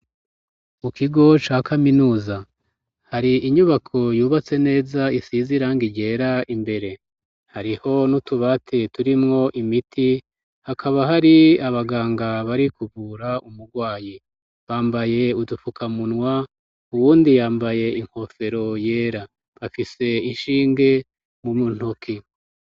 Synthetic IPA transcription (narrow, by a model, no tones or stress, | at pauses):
mukiɡo̞t͡ʃaːkʰaminuːza | haɾiʔiɲuβakʰo̞juːβat͡se̞ne̞ːzaisiziɾaːŋɡiɟe̞ːɾaimbe̞ɾe̞ | haɾiho̞nutuβatʰe̞tuɾimŋo̞ʔimitʰi | hakʰaβaɦaɾiaβaɡaːŋɡaβaɾikuβuːɾaʔumuɡwaːji | βaːmbaje̞udufukʰamunŋwa | uwuːndijaːmbaje̞iŋ̥ho̞fe̞ɾo̞je̞ːɾa | βafise̞iʃiːŋɡe̞ | mumun̥ukʰi